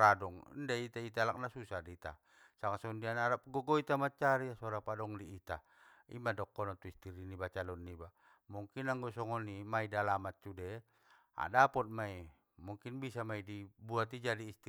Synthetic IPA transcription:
ɾadɔŋndait̪ait̪alak̚nasusadit̪a̰ | saŋasɔndianaɾap̚ɡɔɡɔit̪amat͡ʃaɾiasɔɾapadɔŋdiːt̪a | ḭmadɔkːɔnat̪uist̪iɾinibat͡ʃalɔnːiba | muŋkinaŋɡɔsɔŋɔnimaidalamat̪̚t͡ʃudɛ | a̰dapɔt̪̚mai | muŋkinbisamaidibuat̪̬id͡ʒadiːst̪i

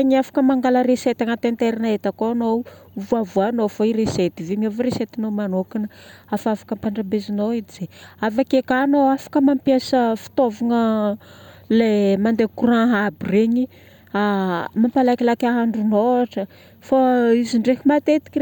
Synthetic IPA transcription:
ɲiafḁkəmaŋɡaləɾeset̪aŋət̪ent̪eɾinaet̪akoano | vuavuanofaiɾeset̪ivemiovɾeset̪inomanokinəafafḁkəmpaɳɖ͡ʐabezinoid̪izeafakekanoafḁkəmampiasəfi̥t̪ovaŋə | lemand̪ekurãɦabireɲi | amampalakilakʲaɦaɳɖ͡ʐunoaʈ͡ʂə | faiziɳɖ͡ʐeɦimat̪et̪i̥ki

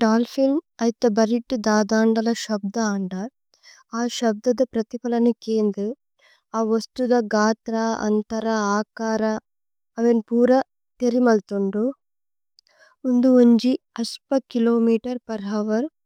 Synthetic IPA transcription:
ʈaːlpʰilmɐjt̪ːɐbɐɾiʈːd̪aːd̪aːɳɖɐlɐʃɐb̚d̪ɐːɳɖɐ | aːʃɐb̚d̪ɐd̪ɐpɾɐt̪ipɐlɐnukeːnd̪u | aːʋɐst̪ud̪ɐɡaːt̪ɾaɐ̰nt̪ɐɾɐaːkaːɾɐ | ɐʋenpuːɾɐ | t̪eɾimɐlt̪uɳɖu | und̪uuɲd͡ʒi | ɐspɐkiloːmiːʈɐɾpɐɾɦɐʋɐɾ

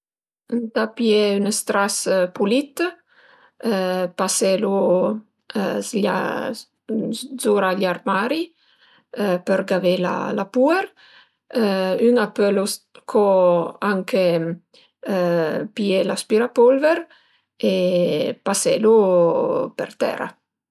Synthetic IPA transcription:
nt̪apjɛynəst̪ɾaspulit̪ | pasɛlu | ʎa̰ | zoɾaʎaɾmaɾi | pəɾɡavela̰lapuɛɾ | ynapəloskʰɔaŋkʰe | piɛlaspiɾapolvɛɾ | epasɛlu | pə̰ɾt̪ɛ̰ɾa̰

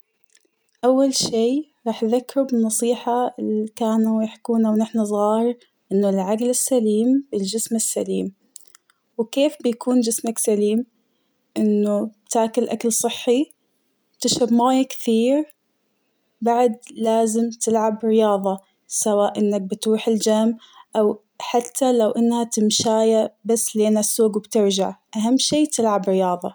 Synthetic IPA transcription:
ʔawːalʃiːɾˤɑːħðakːɾubɪnːɑsˤiːħaɪlikaːnujɪħkuːnawnɪħnazˤɣɑːhɪɾ | ʔɪnːʊlʕaɡlɪsːaliːmbɪld͡ʒɪsmɪsːa̰liːm | wkeːfbɪjakʰuːnd͡ʒɪsmaksaliːm | ʔɪnːʊbt̪aːkɪlʔakalsˤɨħːi | t̪ɪʃɾabmaːjakθiːɾ | baʕd̪laːzɪmt̪ɪlʕabɾɪjɑːðˤɑ | sawaːʔʔɪnːak̚bɪt̪ɾuːħɪld͡ʒamʔaw | ħat̪ʰːalawʔɪnːhat̪ɪmʃaːjabasːleːnasːuːɡwbt̪ɪɾd͡ʒaʕʔaɦamːʃiːt̪ʰɪlʕabɾɪjɑːðˤɑ

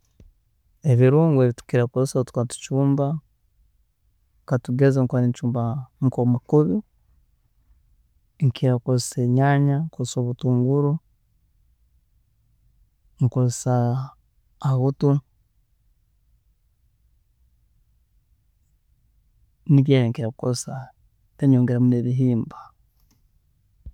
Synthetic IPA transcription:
eβiɾuːŋɡeβitu̥kiɾakozsatu̥katu̥t͡ʃuːmba | katuɡezaŋkaɾiɲt͡ʃuːmbaŋkomakuβi | ŋkiɾakozseɲaːɲaŋkosoβutuːŋɡuɾu | ŋkozsaː | ɣutu | niβjaːjeŋkiɾaukosa | teɲoːŋɡeɾamuneβiɦiːmba

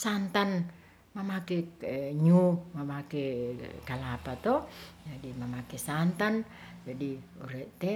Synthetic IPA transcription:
sant̪an | mamakɛɲumamakɛkalapat̪ɔd͡ʒadimamakɛsant̪an | d͡ʒadiuɾɛʔt̪ɛ

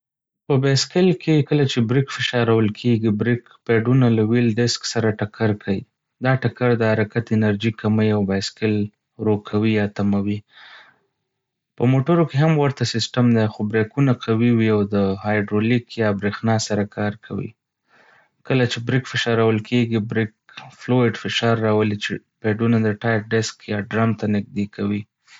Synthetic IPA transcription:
pəbeskɪlkekəlat͡ʃebɾikfɪʃɑɾawəlkʰeɡibɾik | peɖunalawilɖ̪ɪsksaɾaʈakʰaɾkʰawi | d̪ɑʈakaɾd̪əhaɾakat̪ɪnaɾd͡ʒikaməjawbajskɪl | ɾokʰawijɑt̪amawi | pəmoʈəɾokeɦamwaɾt̪asɪsʈamd̪axobɾekunaqawiwiawd̪əhɑjɖɾolikjɑbɾexnɑsaɾakʰɑɾkʰawḭ | kəlat͡ʃebɾɪkfɪʃɑɾawəlkʰeɡibɾɪk̚ | floɪɖfɪʃɑɾːɑwəlit͡ʃepeɖunad̪əʈɑj̚ɖɪskjɑɖɾamt̪anɪɡ̚d̪ekʰawi

